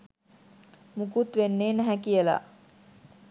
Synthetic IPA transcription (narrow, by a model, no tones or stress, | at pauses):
mukut̪ʋenːeːnæɦækijəla̰